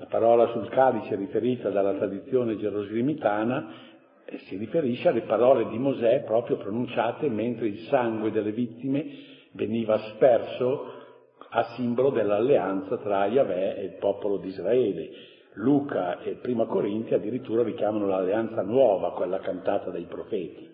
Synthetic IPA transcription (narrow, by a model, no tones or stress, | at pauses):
lapaɾɔːlasulkalit͡ʃeɾifeɾiːt̪ad̪alːat̪ɾad̪it̪sːjoːned͡ʒeɾozlimit̪aːna | sirifeɾiʃːealepaɾɔːled̪imozɛpɾɔːpɾjopɾonunt͡ʃaːt̪ement̪ɾeilsaŋɡwed̪elːevit̪ːime | veniːvaspɛrso | asːimbolod̪elːalːeant̪sat̪ɾajavɛelpɔːpolod̪izraɛːlḛ | luːkaepɾiːmakoɾint̪jad̪ːiɾit̪ːuːɾaɾikjaːmanolalːeant̪sanwɔːvakwelːakant̪aːt̪ad̪ajpɾofɛːt̪i̥